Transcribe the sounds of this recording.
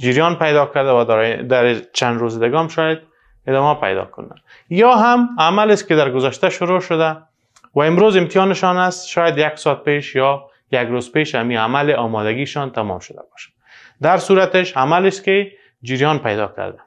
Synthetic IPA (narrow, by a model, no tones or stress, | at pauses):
d͡ʒiɾjɔnpajd̪ɔkaɾd̪awad̪d̪aɾt͡ʃanɾozɪd̪ɪɡaɔmʃɑjad̪̚ | ɪd̪ɔmapa̰jd̪ɔ̰kʊ̰na̰n | jɔɦamamalɪskɪd̪aɾɡʊzaʃt̪aʃʊɾoʃʊd̪a | waɪmɾozɪmt̪ijɑnɪʃɔnast̪ʃɔjad̪jaksɔt̪̚peʃjɔ | jaɡɾozpeʃamiamalɪʔɒmɔd̪aɡiʃɔnt̪amɔ̰mʃʊd̪a̰bɔʃḁ | d̪aɾsuɾat̪ɪʃamalɪskɪ | d͡ʒiɾjɔnpajd̪ɔ̰ka̰ɾd̪a